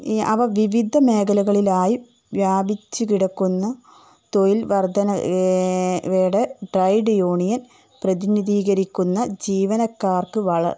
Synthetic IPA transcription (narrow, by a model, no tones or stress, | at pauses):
ɐʋɐʋiʋid̪ʱɐme̞ːkɐlɐɣɐɭilaːji | ʋjaːbit͡ɕːukiɽɐkːunːɐ | t̪ojilʋɐrd̪ʱɐnɐ | ʋeːɽeɖrɐjɖjoːɳijɐn | prɐðiniðiːɣɐɾikʲːunːɐd͡ʑiːʋɐnɐkːaːrkɨʋɐɭɐ̰r